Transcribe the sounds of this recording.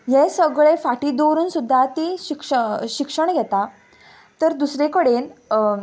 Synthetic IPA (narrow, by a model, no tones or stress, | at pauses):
jesəɡɭefaʈid̪oɾuːnsud̪ʱːat̪iɕikʂəɕikʂəɳɡʱɛt̪a | t̪əɾd̪usɾekəɽen